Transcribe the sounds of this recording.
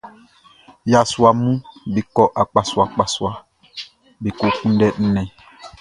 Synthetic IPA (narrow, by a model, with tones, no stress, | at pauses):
ja˨swa˨mũ˦bi˨kɔ˦ʔa˨k͡pa˨swa˨k͡pa˨swa˨ | be˨ko˨kũ˦n˦dɛ˦n̩˦nɛ̃˨